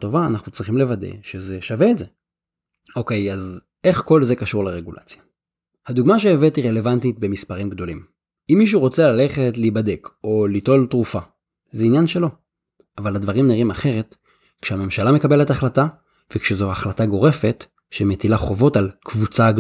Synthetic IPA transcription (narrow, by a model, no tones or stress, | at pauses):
to̞vaːnaχnut͡sʁiχimle̞vadḛʃeze̞ʃave̞ːtze | o̞ke̞jaz | e̞χko̞lze̞kaʃuʁleʁe̞ɡula̰t͡sja | haduɡmaʃ̬eːvetiʁe̞le̞vantit̚be̞mispaʁimɡdo̞lim | imːiʃ̬uʁo̞t͡selale̞χe̞tlibade̞ko̞lito̞ltʁufa | zeinjanʃe̞lo̞ | avalhadvaʁimniʁimaχe̞ʁe̞t | kʃeame̞mʃalame̞kabe̞le̞taχlata | vekʃezoaχlataɡo̞ʁe̞fe̞t | ʃemetilaχo̞vo̞talkvut͡saɡ